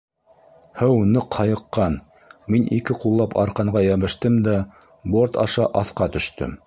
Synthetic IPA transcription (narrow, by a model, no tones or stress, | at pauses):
hɤwnɤqhɑjɤ̆qːɑn | minʔikɘqulˠːɑpɑ̰ɾqɑɴɢɑjæβɘ̆ʃt̪ɘmd̪æ | boɾt̪ɑʃɑʔɑθqɑt̪ɵ̆ʃt̪ɘ̰m